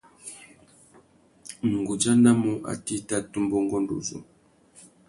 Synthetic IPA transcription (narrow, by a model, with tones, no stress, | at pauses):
ŋ̩˨ɡu˨d͡ʒa˦na˦mo˦ʔa̰˨ti˦ta˦tu˦mbɔ˦ŋ˦ɡɔ˦ndo̰˨zo̰˨